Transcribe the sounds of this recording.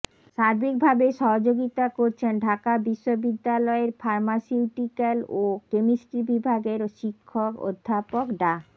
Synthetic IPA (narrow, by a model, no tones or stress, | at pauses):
ʃaɾbʱik̚bʱabeʃɔɦod͡ʑoɡit̪akoɾt͡ɕʰenɖʱakabiʃːobid̪ːalɔeɾfaɾmasiuʈikalokemisʈibibʱaɡeɾʃikʰːoko̰d̪ʱːapokɖa